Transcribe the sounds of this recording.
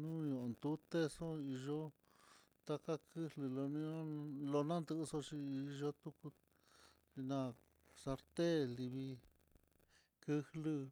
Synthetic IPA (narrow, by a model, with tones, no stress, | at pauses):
nũ˦ɲõ˨nd̪u˦t̪e˦so˦i˧ʒo˦ | t̪a˦ka˦kɨ˦hlɨ˧lo˧nũ˧õ˦lo˧nã˦nd̪ɨ˧ʔso˦t͡ʃi˧i˧ʒo˦t̪u˧ku˧ | ʐi˧nã˧ | sa˧ɾt̪e˦˨li˧βi˧ | kɨ˦˧hlɨ˧